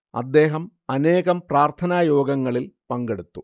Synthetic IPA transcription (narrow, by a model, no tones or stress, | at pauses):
ɐ̰d̪ːe̞ːɦɐm | ɐneːɣɐmpraːrt̪ʰɐnaːjo̞ːɡɐŋːɐɭilpɐŋɡe̞ɽut̪ːu